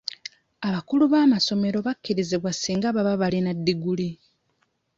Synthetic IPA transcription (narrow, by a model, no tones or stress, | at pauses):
aβakuluβaːmaso̞me̞ɾo̞βakʰːiɾiziβwasiːŋɡaβaβaβalinadːiɡuli